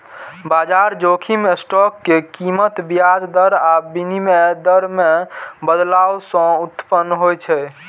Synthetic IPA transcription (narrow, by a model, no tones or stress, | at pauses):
bad͡ʒaɾd͡ʒokʰimesʈɔkːekimət̪bijad͡ʒd̪əɾabinimed̪əɾmebəd̪lawsə̃ut̪pənːɦojt͡ʃʰɛ